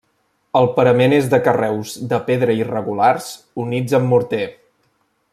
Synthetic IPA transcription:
əlˠpəɾəmenezðəkərɛwzðəpeðɾəirəɣulaɾz | unid͡zəmːuɾt̪e

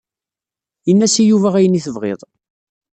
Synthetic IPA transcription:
jənːæsijuvæʁæjəniθəvʁḛðˤ

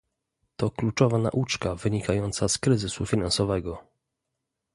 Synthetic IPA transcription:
t̪ɔklut͡ʂɔvana̰ʔut͡ʂkavɘɲikʰajɔnt̪saskɾɘzɘsufʲinansɔvɛɡɔ

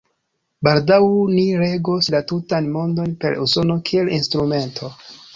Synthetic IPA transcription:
baldawniɾe̞ɡoslatutanmo̞ndo̞npe̞ɾuso̞no̞kʰie̞linstɾume̞ntʰo̞

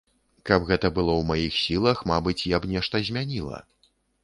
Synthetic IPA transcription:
kɐbɣɛt̪ɐbɨlˠɔwmajixsʲilˠɐxmabɨt͡sʲjabnʲɛʂt̪ɐzʲmʲanʲilˠɐ̰

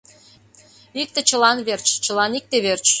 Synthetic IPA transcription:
ik̚t̪ĕt͡ɕə̆lɑnβert͡ɕt͡ɕəlɑnik̚t̪eβert͡ɕ

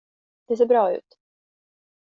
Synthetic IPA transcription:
d̪̥ɛs̬eːbɾɑːʉ̟̰ːt̪

